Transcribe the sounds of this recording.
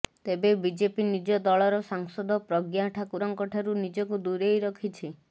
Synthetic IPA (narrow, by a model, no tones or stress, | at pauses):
t̪ebebid͡ʒepinid͡ʒɔd̪ɔɭɔɾɔsaŋsɔd̪ʱɔpɾɔɡjaʈʰakuɾɔŋkɔʈʰaɾunid͡ʒɔkud̪uɾejɾɔkʰit͡ʃʰi